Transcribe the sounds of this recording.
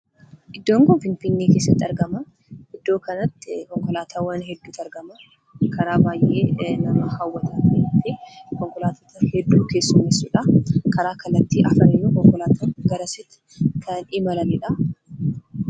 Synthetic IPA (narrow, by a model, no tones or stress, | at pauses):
ʔɪd̪ːoːŋkʊnfɪnfɪnːeːkeːsːɐt̪ːɪɐɾɡɐmɐ | ɪd̪ːo̞ːkɐnɐt̪ːɪkɔŋkɔlaːt̪ʰaːwɐnɦɛd̪ːuːt̪ɐɾɡɐmɐ | kʰɐɾaːbaːjʔeːnɐmɐhɐwːɐt̪ɐt̪et̪ɪkɔŋkɔlaːt̪oːt̪ɐhɛd̪ːuːke̞ːsːʊmeːsːʊᶑɐkɐɾaːkɐlːɐt̪ːiːʔɐfɐnɛnːuːkɔŋkɔlaːt̪ʰɐɾɡɐɾɐsɪt̪ːɪ̥kʰɐnɪmɐlɐnɪᶑɐ